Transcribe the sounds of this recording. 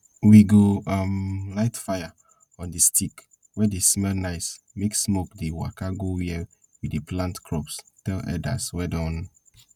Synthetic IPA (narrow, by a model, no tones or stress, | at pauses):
wiɡoamlaɪtfaja | ɔ̃distʰik | wɛdesmɛlnaɪs | meksmokdewa̰kaɡowiɛ | widiplãntkʰɹɔpstɛlɛ̰da̰swɛdɔ̃n